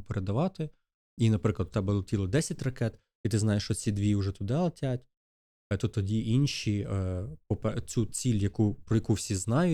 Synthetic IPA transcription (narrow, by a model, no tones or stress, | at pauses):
peɾed̪ɐʋɑt̪ɪ | inɐpɾɪklˠɐd̪̚t̪ɛbɛlˠɔtʲilˠɔd̪ɛsʲɐtʲrɐkɛt̪ | it̪ɪznɑjeʃt͡ʃɔt͡sʲid̪ʋʲiʊʒɛt̪ʊd̪ɛlˠɐtʲatʲ | t̪ut̪ːɔdʲiʔinʃipɔpɛt͡sʲut͡sʲilʲjɐkupɾɔjɐkuwsʲiznɑjʊ